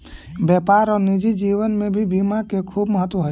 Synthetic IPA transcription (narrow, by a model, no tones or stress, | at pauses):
bjɛːpaːɾɔːɾnid͡ʒid͡ʒiːʋənmẽbʱibimakekʰuːbməɦət̪wəɦ